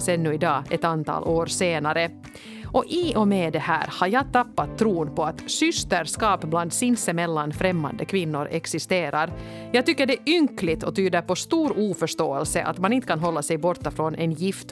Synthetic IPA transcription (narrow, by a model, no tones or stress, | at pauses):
sɛnːʉɪd̪ɑːɛt̪ant̪ʰɑ̰ːlʔoːɾseːnaɾə | ʔɔʔiʔɔmɛd̪ɛhæ̰ːɾhaɾjɑːɡt̪apːat̪ʰːɾuːnpʰɔat̪sʏst̪əɾskɑːpbland̪sɪnsəmɛlːanfɾɛmːa̰nd̪əkʰvɪnːʊɾɛksɪst̪eːɾaɾ | jɑːɡ̚t̪ʏkːəɖɛʔʏŋklɪt̪ʰɔt̪ʰyːd̪əɾpɔst̪uːɾuːfœʂt̪oːɛlsəʔa̰t̪manɪnt̪əkʰanɦɔlːasɛjbɔɾt̪ːafɾɔnʔɛnjɪft̪